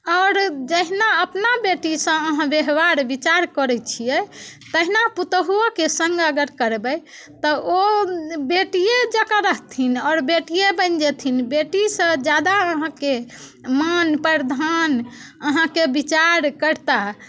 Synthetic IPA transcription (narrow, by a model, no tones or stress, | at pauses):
ɔʊɾd͡ʒəɦinaəpnabeʈisə̃əɦãbeɦbaɾbit͡ʃaɾkəɾɛt͡ʃʰijɛt̪əɦinaput̪ɦuɔkesə̃ŋɡəɡəɾkəɾbəj | t̪ɔobeʈijed͡ʒəkaɾəɦt̪ʰinɔːɾbeʈijebə̃nd͡ʒet̪ʰinbeʈisə̃d͡ʒad̪aəɦãkemənpəɾd̪ʱanəɦãkebit͡ʃaɾkəɾt̪a